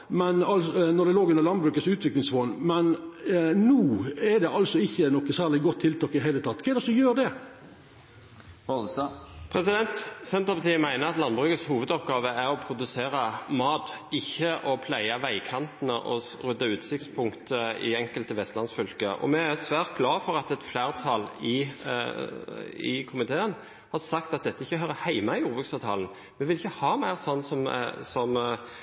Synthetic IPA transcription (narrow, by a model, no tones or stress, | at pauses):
mɛnɑlnɔd̪ɛloːɡʉnːəɾlɑnbɾʉːkət̪sʉːt̪ʰʋɪklɪŋsʋoːnmɛn | nuːɛd̪ɛɑlsɔɪçːənɔkːəsæːɭɪɡɔt̪ʰːɪlt̪ʰɑːkɪd̪ɦeɪlət̪ʰɑt̪ːkʰɛɪd̪ɛsɔjøːɾd̪ɛ | pʰɾɛsɪd̪ɛnt̪sɛnt̪ʁəpɑt̪ʰiːəmæɪnəɾɑt̪lɑnbʁʉːkət̪shuːʋəd̪ɔp̚ɡɑːʋəæɾɔpʰɾʊd̪ʉseːɾəmɑːt̪ɪçːəʔɔpʰlæɪɑʋæɪkʰɑnt̪ənəʔɔ | ɾʉd̪ːɑʉːt̪sɪkt̪spʰʊŋkt̪əɪ̰ɛŋkəlt̪əʋɛst̪lɑnsfʏlkəʔɔ̰mɛæsʋæːɾt̪̚ɡlɑːfɔɾɑt̪ɛt̪flæːɾt̪ʰɑːlɪ | ɪ̰kʰʊmɪt̪ʰeːən | hɑɾsɑkt̪ɑt̪̚d̪ɛt̪ːəɪçːəɦœːɾəhæɪmɑɪjuːɾbʉːksɑːʋt̪ʰɑːln | mɛʋɪlɪçːəhɑːmæɪɾsɔnːsɔmsɔm